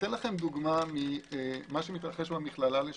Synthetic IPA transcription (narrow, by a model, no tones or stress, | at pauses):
t̪enlaχe̞md̪uɡmamiemaʃemit̪ʁaχe̞ʃbamiχlalale